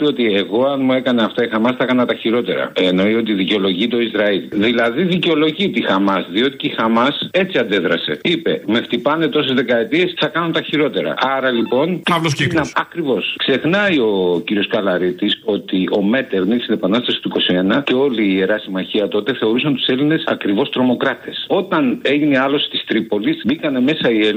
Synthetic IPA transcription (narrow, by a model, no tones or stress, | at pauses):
peo̞t̪ie̞ɣo̞ɐnmue̞kɐneɐft̪ɐixɐmɐsθɐkɐnɐt̪ɐçiɾo̞t̪e̞̰ɾɐ̰eno̞io̞t̪̬iðiceo̞lo̞ʝit̪o̞izɾɐilðilɐðiðiceo̞lo̞ʝit̪ixɐmɐsðio̞t̪i̥ceixɐmɐse̞t͡siɐnd̪eðɾɐse̞̰ipe̞me̞ft̪ipɐne̞t̪o̞se̞zðe̞kɐe̞t̪ie̞sθɐkɐnunt̪ɐçiɾo̞t̪e̞ɾɐ̰ɐɾɐlipo̞nɐlosenɐkɾivo̞skse̞xnɐio̞ciɾio̞skɐlɐɾit̪iso̞t̪io̞me̞t̪elnist̪ine̞pɐnɐst̪ɐsi̥t̪uiko̞sie̞nɐce̞o̞liːeɾɐsimɐçiɐt̪o̞t̪e̞θe̞o̞ɾusent̪u̥se̞line̞sɐ̰kɾivo̞st̪ɾo̞mo̞kɾɐt̪e̞so̞t̪ɐne̞ʝineɐlo̞st̪i̥st̪ɾipo̞lisbikɐne̞me̞sɐiel